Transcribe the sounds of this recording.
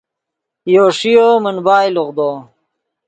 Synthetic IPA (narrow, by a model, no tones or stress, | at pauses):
joːʂijoːmɐnbaːjluɣd̪oː